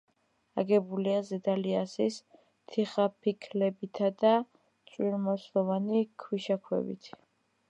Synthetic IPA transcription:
a̰ɡɛbuliazɛd̪aliasis | t̪ʰiχapʰikʰlɛbit̪ʰad̪a | t̪sʼwiɾmɔslˠɔvanikʰwiʃakʰwɛ̰bḭt̪ʰ

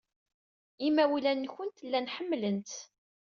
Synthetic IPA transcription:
imːæwilænːçənt̪lːænħəmːlənt̪

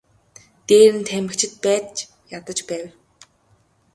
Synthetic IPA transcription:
t̪eːɾɘ̆nt̪ʰæmɘ̆kt͡ɕʰɪ̆t̪̚pæːtt͡ɕ | jat̪ə̆t͡ɕpæːw

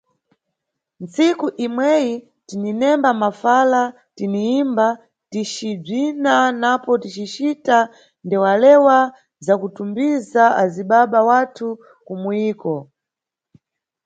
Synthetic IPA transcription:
nt͡sikuʔimwɛji | tininɛmbamafala | tiniimba | tit͡ʃib͡ʐinanapɔtit͡ʃit͡ʃita | ndɛwalɛwa | zakutumbizaaziɓaɓawatʰu | kumuiːkɔ

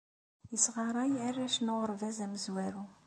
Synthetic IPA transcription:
jəsʁɑɾˤɑjærːæʃnʊʁəɾvæzæməzwæɾu

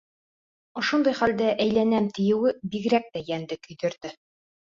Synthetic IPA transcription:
ŏʃond̪ɑjχæld̪æʔæjlænæmt̪ɘ̆jɘ̆wɘbiɡɾæk̚t̪æjænd̪ɘkɵ̆jd̪ɵ̆ɾd̪ɘ

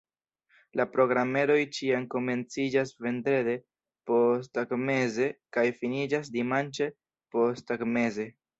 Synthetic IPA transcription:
lapɾo̞ɡɾame̞ɾo̞jt͡ʃianko̞me̞nt͡sid͡ʒasve̞ndɾe̞de̞ | po̞staɡme̞ze̞kajfinid͡ʒas̬dimant͡ʃe̞ | po̞staɡme̞ze̞

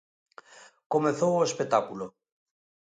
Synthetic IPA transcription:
komeθoespet̪akulo

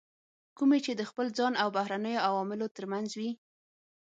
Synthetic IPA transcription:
kumet͡ʃed̪əxpəld͡zɑnawbahɾanəjoawɑmɪlot̪əɾmanzwi

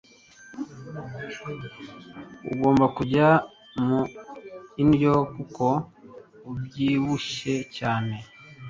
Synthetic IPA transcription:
ṵɡo̞ːmbakuɟa | mu | injokuko | ubjiːwuʃecaːne̞

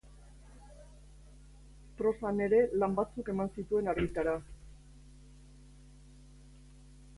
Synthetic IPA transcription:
pɾo̞sane̞ɾe̞lambat͡suke̞mansit̪ue̞naɾɣit̪aɾa

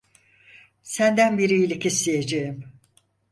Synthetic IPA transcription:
sænd̪ænbiɾijilʲɛcʰeslʲijed͡ʒejim

